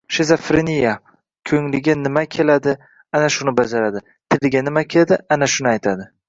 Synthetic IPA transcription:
ʃezafɾenija | kʲʰɵŋlɪɡʲanɪmakʲʰelad̪ɪ | anaʃʊnɪbad͡ʒaɾad̪ɪ | t̪ʰɪlɡʲanɪmakʲʰeld̪ɪanaʃʊnɪajt̪ʰad̪ɪ

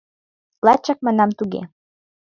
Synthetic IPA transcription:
lɑt͡ɕːɑk̚mɑnɑmt̪uɣḛ

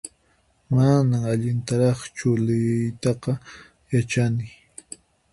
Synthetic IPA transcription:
manamaʎɪnt̪aɾɑχt͡ʃʊlɪjjt̪ɑqɑ | jat͡ʃanɪ

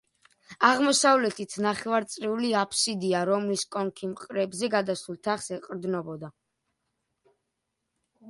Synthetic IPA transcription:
aʁmɔsavlɛt̪ʰit̪ʰnaχɛvaɾt̪sʼɾɛuliapʰsid̪iaɾɔmliskʼɔŋkʰimqʼɾɛbzɛɡad̪asulˠt̪ʰaχsɛqʼɾd̪nɔbɔd̪a

